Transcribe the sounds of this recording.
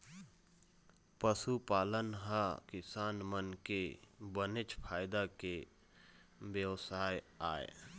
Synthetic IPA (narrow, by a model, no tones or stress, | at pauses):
pəsupaːlənɦakɪsaːnmənkebənɪt͡ʃpʰaːjd̪ake | ʋjəʋsaːj | aːḛ